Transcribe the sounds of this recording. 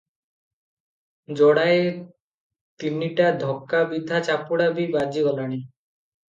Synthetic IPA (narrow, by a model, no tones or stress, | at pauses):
d͡ʒɔɽae | t̪iniʈad̪ʱɔkːabid̪ʱat͡ɕapuɽabʱibad͡ʒiɡɔlaɽ̃i